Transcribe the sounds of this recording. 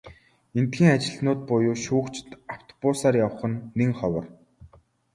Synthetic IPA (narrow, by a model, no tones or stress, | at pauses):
ent̪xiːŋat͡ɕɪ̆ɮnʊːt̪̚pʊjʊːʃuːkt͡ɕɪ̥̆t̪aw̥t̪ʰɔ̥pʊsaːrjawə̆χə̆nːeŋχɔwɞ̆r